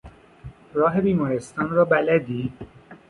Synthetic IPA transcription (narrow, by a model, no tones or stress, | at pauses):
ɾɒːɦe̞biːmɒːɾest̪ɒːnɾɒːbælæd̪iː